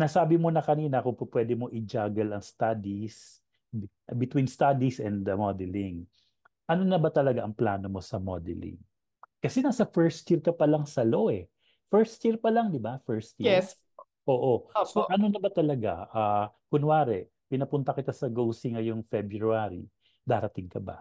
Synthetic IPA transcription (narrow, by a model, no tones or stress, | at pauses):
nɐsaːbɪmonɐkɐniːnɐkʊŋpopwɛd̪ɛmo̞ʔɪd͡ʒaːɡɐlɐŋst̪ad̪is | ʔbɪt̪winst̪ad̪isɛnd̪mod̪ɛlɪŋ | ʔɐno̞nɐbɐt̪ɐlɐɡaʔɐŋplaːno̞mo̞sɐmod̪ɛ̰lɪ̰ŋ | kɐsɛnaːsɐfɛɹst̪t͡ʃiɾkɐpɐlɐŋsɐlo̞ʔɛ | fɛɹst̪jiɹpɐlɐŋd̪ɪbafɛɹst̪jiɛs | ʔoːʔoosoʔɐnonɐbɐt̪ɐlɐɡa̰ʔakʊŋwaːɾɛ | pɪnɐpʊnt̪ɐkɪt̪asɐɡowsɪŋɐjʊŋfɛbɹuuaɾḭ | d̪aːɾɐt̪ɪŋkɐbɐ̰